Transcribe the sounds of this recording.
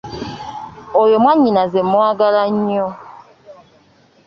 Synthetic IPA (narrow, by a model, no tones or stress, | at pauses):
ojomwaɲinazemɔaɡaɾaɲiɔ